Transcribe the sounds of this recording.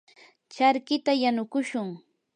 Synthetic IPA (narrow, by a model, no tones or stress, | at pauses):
t͡ʃaɾkɪt̪ajanʊkʊʃʊŋ